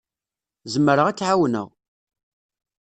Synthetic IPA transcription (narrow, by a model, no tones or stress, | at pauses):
zəmːəɾəʁæt͡sːʕawnə̰ʁ